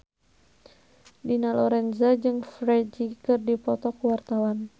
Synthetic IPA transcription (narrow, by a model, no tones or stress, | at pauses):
dinalɔɾɛnzad͡ʒɨŋfɾɛd͡ʒikɨrdipɔt̪ɔkuwart̪awan